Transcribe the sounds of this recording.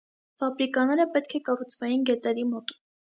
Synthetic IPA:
fɑbɾikɑnɛɾəpɛt̪kʰɛkɑrut͡sʰvɑjinɡɛt̪ɛɾimɔt̪u̥

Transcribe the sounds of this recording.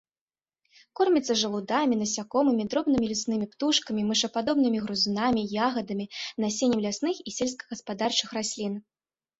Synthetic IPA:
kɔrmʲɛt̪sːɐʐɐlˠud̪amʲinɐsʲakɔmɨmʲid̪ɾɔbnɨmʲilʲusnɨmʲipt̪uʂkɐmʲimɨʂɐpad̪ɔbnɨmʲiɣɾuzɨnamʲijaɣɐd̪ɐmʲinasʲenʲɛmlʲasnɨxisʲɛlʲs̬kɐ̥ɣɐspad̪art͡ʂɨxrasʲlʲin

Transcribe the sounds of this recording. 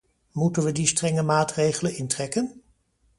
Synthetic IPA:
mutənʋədistrɛŋəmaːtrejχələnɪntrɛkən

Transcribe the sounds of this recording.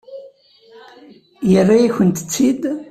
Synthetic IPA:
jərːajaçənt̪ə̥t͡sːid̪

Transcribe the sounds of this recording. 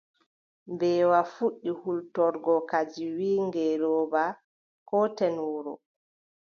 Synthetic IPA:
mbɛːwafuɗːihultɔɾɡɔkad͡ʒiwiːŋɡɛlɔːba | kɔtɛnuːɾɔ̰

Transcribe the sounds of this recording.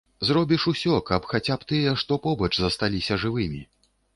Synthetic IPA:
zrɔbʲiʂusʲɔkɐpxat͡sʲapt̪ɨjɛʂt̪ɔpɔbɐt͡ʂzɐst̪alʲisʲɐʐɨvɨmʲi

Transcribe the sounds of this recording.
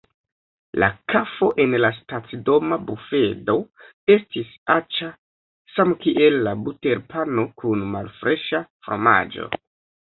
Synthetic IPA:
la̰kʰafo̞ʔe̞nlastat͡sido̞mabufe̞do̞ | e̞stisat͡ʃa | samkiʔe̞lːabute̞ɾpano̞kʰunma̰lfɾʔe̞ʃafɾo̰ma̰d͡ʒo̞̰

